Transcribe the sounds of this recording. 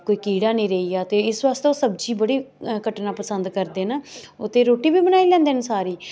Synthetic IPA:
koːiːkiːɽaːnĩːɾeiːaːt̪eːɪsʋaːst̪oːsəbd͡ʒiːbəɽiːkəʈnaːpəsənd̪kəɾd̪eːnaːʊt̪ʰːeːɾoːʈiːbiːbənaːiːlɛ̃ːnd̪eːnsaːɾiː

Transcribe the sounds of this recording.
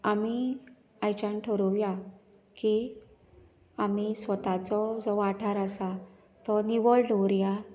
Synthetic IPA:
ami | ajt͡ɕanʈʰəɾuʋja | ki | am̤isʋət̪at͡sɔd͡zɔʋaʈʰaɾəsa | t̪ɔniʋɔɭɖɔɾja

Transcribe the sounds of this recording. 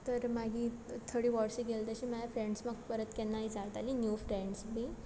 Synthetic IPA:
t̪əɾmaɡʱit̪ʰəɽiːʋɔʈsiɡelt̪əɕiməlafɾẽɳɖsməɡpəɾət̪kɛnːaid͡zalt̪alinjufɾeɳɖsbi

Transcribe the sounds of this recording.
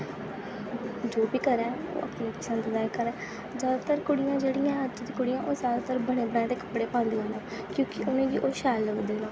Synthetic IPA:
d͡ʒoːbiːkəɾɛ̃ːo̰ːʔə̰pnĩəɪsãːnd̪əd̪aːjkəɾɛ̃ː | zjaːd̪aːt̪əɾkʊɽɪjãːd͡ʒeːɽɪjãːət͡ʃːd̪ĩːkʊɽɪjãːʔoːzjaːd̪aːt̪əɾbəɽ̃eːbəɽɛ̃ːt̪eːkə̥pɽeːpãːnd̪iːõːnãːkjõːkɪʔʊnẽːd͡ʒiːʔoːʃɛːlːəɡd̪eːlõː

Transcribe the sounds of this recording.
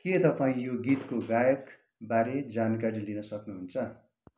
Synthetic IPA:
ket̪ʌpaĩjoɡit̪koɡajʌk | baɾed͡zankaɾilinʌsʌknuɦunt͡sʰʌ

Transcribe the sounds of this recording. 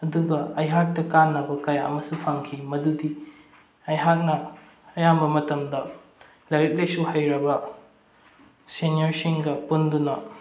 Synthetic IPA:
ɐduɡɐɐjɦak̚tɐkanːɐbɐkɐjaɐ̰mɐsupʰaŋkʰimɐdudi | ɐjɦak̚nɐ | ɐjambɐmɐtɐmdɐ | lɐjɾit̚lejsuhajɾɐbɐ | senioɾsiŋɡɐpundunɐ

